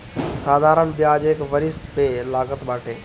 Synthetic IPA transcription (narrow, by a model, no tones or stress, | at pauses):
saːd̪ʱaːɾənbijad͡ʑeːɪkʋɐɾɪst̪pelaːɡət̪ɓaːʈʰeː